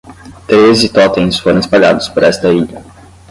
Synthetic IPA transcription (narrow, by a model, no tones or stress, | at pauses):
t̪ɾezɪt̪ɔt̪ẽj̃sfoɾɐ̃w̃ɪspaɡa̰d̪ʊspoɾɛst̪ɐiʎɐ